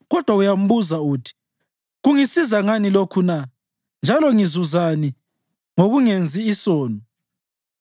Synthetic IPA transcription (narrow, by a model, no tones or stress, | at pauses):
ɣɔd̥ʱwaujam̩βuzautʰi̥ | ɣuŋisizaŋanilokʰuna | nd͡ʒʱalɔŋizuzani | ŋoɣuŋend͡zʱiːsɔːnɔ